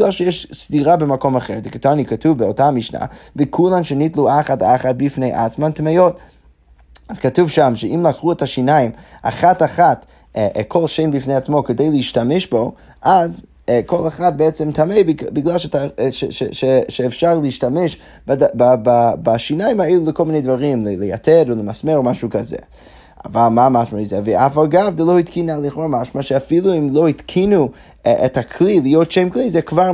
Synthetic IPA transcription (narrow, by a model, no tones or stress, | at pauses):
lalˠʃɛjɛʃstiʁabəmakomaχɛʁdɪkatanikatʰuvbəotaamiʃna̰vekʰulˠanʃɛnitlˠuaχata̰χat̚bifnejʔa̰t͡smantmajot | az̥katuvʃamʃɛimlˠakʁuɛtaʃinajima̰χataχat | ʔkʰolˠʃeɪnbifnejat͡smokədeɪlˠəiʃtamɛʃbo | ʔaz | kʰolˠaχat̚beɛt͡sɛmtʰamejbbɪɡlˠalˠʃɛtaʃɛʃɛʃɛʃɛːfʃaɾlˠəiʃtamɛʃ | badabababaʃinajɪmaelˠulˠəklˠminejdvaʁimlələja̰tʰɛɾolˠəmasmeɾomaʃukazɛ̰ | a̰valˠmamaʃmaizɛvəafalˠɡafdɛloitkinalˠiχoɾmaʃmaʃɛafilˠuimlˠoitkʰinu | ʔɛthakʰlilɪjotʃeɪmklˠizɛkvaɾ